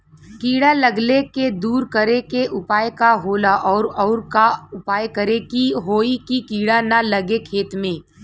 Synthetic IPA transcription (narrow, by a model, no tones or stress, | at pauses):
kiːɽalɐɡleked̪uːɾkəɾekeʔʊpaːjkaɦoːlaʔɔːɾɔːɾkaʊpaːjkɐɾekiɦoːikikiːɽanalɐɡekʰeːt̪mẽː